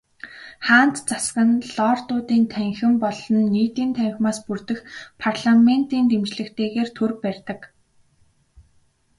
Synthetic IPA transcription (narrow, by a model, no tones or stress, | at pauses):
χaːn̥t̪t͡saskə̆nɮɔːrt̪ʊːt̪iːnt̪ʰæŋxɪ̆mpɔɮɞ̆nːiːt̪iːnt̪ʰæŋxʲmaːspurt̪ɘ̆xpʰarɮamen̥t̪iːnt̪emt͡ɕɮɘ̆kt̪ʰeːɣeːrt̪ʰɵrpærʲt̪ə̆k